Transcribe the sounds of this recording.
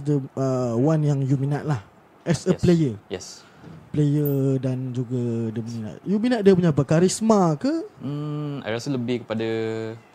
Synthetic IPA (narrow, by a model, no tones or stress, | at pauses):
dəəwanjaŋjuminat̪̚lah | ʔɛsəplejəjɛs | plejədand͡ʒuɡadiəmuɲina̰ʔ̪̚juminat̪̚diəp̬uɲapəkaɾismakə | a̰jɾasələbɪhkə̥pada